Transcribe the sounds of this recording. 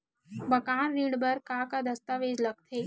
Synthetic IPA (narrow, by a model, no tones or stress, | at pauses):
bəkaːnɾiːɽbəɾkaːkad̪əst̪aʋeːd͡ʒləɡ̚t̪ʰeː